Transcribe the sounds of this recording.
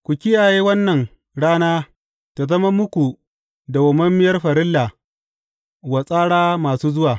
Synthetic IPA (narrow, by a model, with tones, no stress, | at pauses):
kʷu˨kʲɪ˦jaː˨jeː˦wɐ˦nːɐ˨ŋ | ɽaː˦naː˦ | ta˨zɐ˦mɐ˦mʊ˦kʷu˨ | da˨wɐ˨mɐ˦mːɪ˦jɐ˦rɸɐ˨ɾɪ˦lːa˨ | wa˨sʼaː˦ɽaː˦maː˨suː˦zʊ˦waː˨